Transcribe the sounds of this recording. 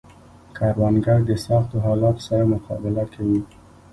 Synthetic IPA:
kʰɑɾwanɡaɾd̪əsɑxt̪oɦɑlɑt̪o̥saɾamʊqʰɑ̰bɪlakʰawi

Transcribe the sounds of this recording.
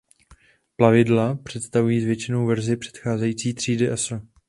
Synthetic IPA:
plavɪdlapr̝̥ɛt̪st̪avujiːzvjɛt͡ʃɪno̞wvɛɾzɪpr̥ɛ̥t̪xaːzɛjiːt͡siːt̪r̝̥iːdɪʔɛsl̩

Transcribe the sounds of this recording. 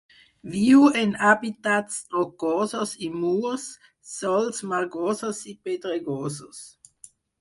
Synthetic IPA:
viːuenabit̪atsdokoːsosimuːʁsː | ɔlsmaʁɡoːsosiped̪ʁeɡoːsos

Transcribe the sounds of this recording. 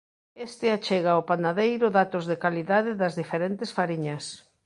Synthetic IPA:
est̪ɪat͡ʃeɣaopanaðejɾʊðat̪ʊzðekaliðaðɪðɐzðifeɾent̪esfaɾiɲɐs

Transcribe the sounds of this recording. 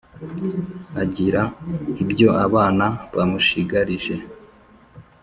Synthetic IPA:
aɟiɾaibjo̞ʔaβaːnaβamuʃiɡaɾiʒe̞

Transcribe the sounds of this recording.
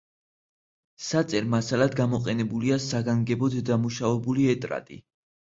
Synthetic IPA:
sat̪sʼɛɾmasalad̪ɡamɔqʼɛnɛbuliasaɡaŋɡɛbɔd̪d̪amuʃavɛbuliɛt̪ʼɾa̰t̪ʼḭ

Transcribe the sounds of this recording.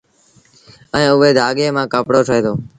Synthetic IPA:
ə̃ːʊʋeːd̪ʱaːɠeːmãːkəːpɽoːʈʰəeːd̪oː

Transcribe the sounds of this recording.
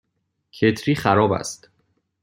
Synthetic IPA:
cʰet̪ʰɾiːχæɾɒːbæ̰st̪

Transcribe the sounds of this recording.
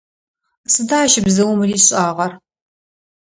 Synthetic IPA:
sɨdaːʃɪbzɐwʊmriːɕʼaːʁɐr

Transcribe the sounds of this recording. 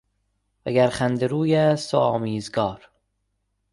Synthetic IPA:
væɡæɾχænd̪eɾuːjæːst̪ʰo̰ɒːmiːzɡɒːɾ

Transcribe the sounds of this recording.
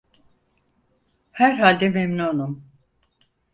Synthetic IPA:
hæɾɦalʲd̪ɛmemnuunum

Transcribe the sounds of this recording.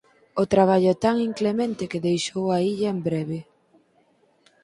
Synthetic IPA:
ot̪ɾaβ̞aʎʊɛt̪aŋiŋklemẽnt̪ɪkeðejʃowaiʎɐembɾɛβe

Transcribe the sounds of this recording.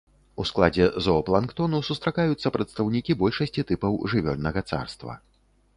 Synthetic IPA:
usklˠad͡zʲɛzɔɔplˠankt̪ɔnusust̪ɾakajut̪sːɐpɾɐt̪st̪ɐwnʲikʲibɔlʲʂɐsʲt͡sʲit̪ɨpɐwʐɨvʲɔlʲnɐɣɐt̪sa̰rst̪vɐ̰

